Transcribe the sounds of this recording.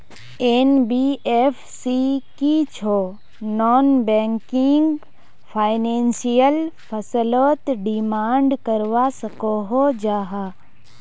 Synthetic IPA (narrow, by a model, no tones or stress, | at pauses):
enbiefʰsikit͡ʃʰo | nɔːnbɛ̃ːŋkɪŋɡ | pʰaːɪnẽːnsijəlpʰəsəloːt̪ɖimaːɳɖkəɾʋasəkoɦod͡ʒaːɦaː